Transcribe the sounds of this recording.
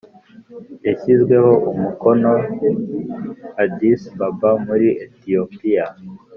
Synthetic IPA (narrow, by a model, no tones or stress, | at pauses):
eçizɡwe̞ho̞ʔumuko̞no | adisbabamuɾiʔetiopija